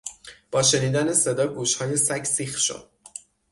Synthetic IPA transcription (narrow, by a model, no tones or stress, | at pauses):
b̥ɒːʃe̞niːd̪ænese̞d̪ɒːɡuːʃhɒːje̞sæcʰsixʃo̰d̪̥